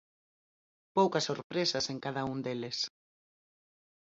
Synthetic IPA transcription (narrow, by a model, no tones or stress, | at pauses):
powkɐsoɾpɾesɐseŋkaðɐund̪elɪs